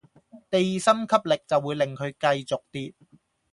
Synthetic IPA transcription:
t̪e˨jsɐ˥mkʰɐ˥p̚lɪ˨k̚t͡sɐ˨wːuː˨˧jlɪ˨ŋkʰɵ˨˧ɥkɐ˧jt͡sʊ˨k̚t̪iː˥t̚

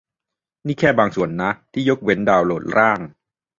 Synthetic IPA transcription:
niː˥˩kʰɛː˥˩baː˧ŋsu˨˩˦ənːa˦˥t̪ʰiː˥˩jo˦˥k̚we˦˥ndaː˧wloː˨˩t̪̚ɾaː˥˩ŋ

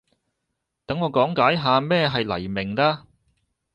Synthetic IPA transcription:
t̪ɐ˨˥ŋɔː˨˧kɔː˨˥ŋkaː˨˥jɦaː˨˧mɛː˥˧ɦɐ˨jlɐ̰˨˩jmɪ˨˩ŋlaː˧

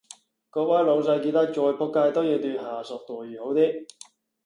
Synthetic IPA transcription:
kɔː˧paː˥lo˨˧ws̬ɐ˧jki˧t̪ɐ˥k̚t͡ʃɔː˧jpʰɔː˥kːaː˧jt̪ɔː˥jiː˨˧t̪yː˧nhaː˨˩sɔː˨˩k̚t̪ɔː˨˩jyː˨˩ho˨˥wt̪iː˥

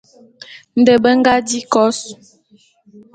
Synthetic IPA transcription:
n̩˨də˨bə˦ŋ˦ɡa˦di˦kɔ˦s

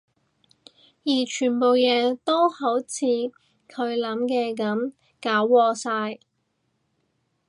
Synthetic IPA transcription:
jiː˨˩t͡ʃʰyː˨˩npo˨wjɛː˨˩t̪o˥who˨˥wt͡sʰiː˨˧ | kʰɵ˨˧ɥlɐ˨˥mkɛː˧k̬ɐ˨˥m | kaː˨˥wːɔː˧saː˧j

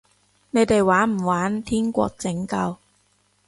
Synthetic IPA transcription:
ne˨˧jt̪e˨jwaː˨˥nm̩˨˩waː˨˥nt̪ʰiː˥ŋkʷɔ̰ː˧k̚t͡sɪ˨˥ŋkɐ˧w

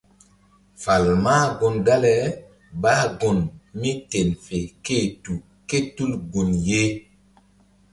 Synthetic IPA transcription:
fa˨lma˦ɡo˨nɡa˦lɛ˨ | ba˦ɡo˨nmi˦te˨nfe˨ke˦˨tu˨ | ke˦tu˦lɡo˨nje˦

